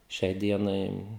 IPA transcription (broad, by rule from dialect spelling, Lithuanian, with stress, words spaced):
ˈʃʲɛɪ ˈdʲiɛnɐɪ